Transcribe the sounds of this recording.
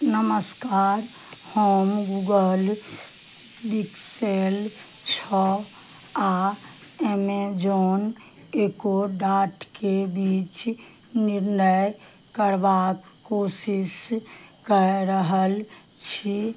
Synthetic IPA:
nəməskaːɾ | hoːmɡuːɡəl | biksel | t͡ʃʰɔ | a | emed͡ʒoːn | eːkoɖaːʈkebiːt͡ʃ | nɪɾnəj | kəɾʋaːkːoːsɪskəɾɾəɦəl | t͡ʃʰi

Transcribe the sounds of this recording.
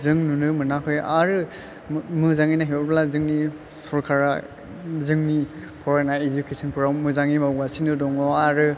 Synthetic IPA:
zɯŋnunɯmɯnakʰɯjaɾɯ | mɯzaŋinaɦeɔɾblazɯŋni | sɔɾkʰaɾa | zɯŋnipʰɔɾanaed͡ʒukesɯnpʰuɾawmɯzaŋimawɡasinɯdɔŋɔaɾɯ

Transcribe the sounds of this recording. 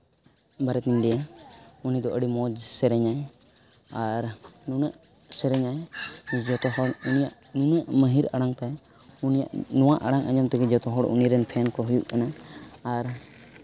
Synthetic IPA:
baɾɛt̪iɲd̪ɛ | unid̪ɔʔəɽimɔd͡ʒsɛɾɛɲaj | aɾnunəʔ | sɛɾɛɲajd͡ʒɔt̪ɔɦɔɽunijaʔ | nunəʔməɦiɾaɽaŋt̪ɛj | unija̰ʔnɔwaʔaɽaŋʔa̰ɲamt̪ɛɡɛd͡ʒɔt̪ɔɦɔɽṵniɾɛnpʰɛnkɔɦujuʔkanaː | ɾ

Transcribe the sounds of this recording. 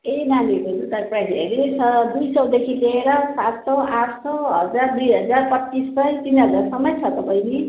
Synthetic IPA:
ejnanibenut̪aprajsḛɾesʰʌd̪ujsʌwd̪ekʰileeɾʌsat̪sʌaʈʰsʌwɦʌ̰d͡zard̪ujɦʌd͡zarpʌtːisːʌjt̪inɦʌd͡zarsʌmʌjt͡sʰʌt̪ʌpaj̃ne

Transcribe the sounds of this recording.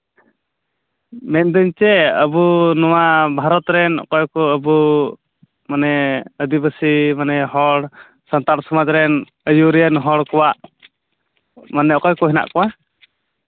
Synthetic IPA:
mɛt̪̚ˀd̪əɲt͡ʃɛəbunɔwabʱaɾɔt̪ɾɛnɔ̰kɔjkɔəbu | manɛəd̪ibəsimanɛɦɔɽ | sant̪aɾsɔmad͡ʒɾɛn | əjuɾɛənɦɔɽkɔwaʔ | manɛɔkɔjkɔɦɛna̰ʔkɔwa

